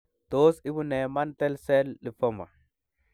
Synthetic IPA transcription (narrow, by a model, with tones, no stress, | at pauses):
to˦si˦bu˦nɛ˨ma˦ntɛ˦lsɛ˦lːi˨fo˦ma̰˨